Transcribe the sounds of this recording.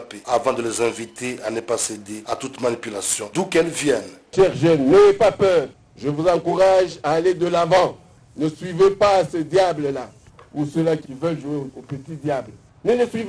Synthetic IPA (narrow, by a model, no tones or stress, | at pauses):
peavɑ̃d̪əlezɛ̃vit̪eanəpased̪eat̪ut̪manipylasjɔ̃d̪ũkɛlvjɛnʃɛʁʒɛnːeepapœʁ | ʒəvuzɑ̃kuʁaʒaːled̪əlavɑ̃ | nəsɥivepasəd̪jabləla | usəlakilvɛlʒueopət̪id̪jabl | nələsɥiv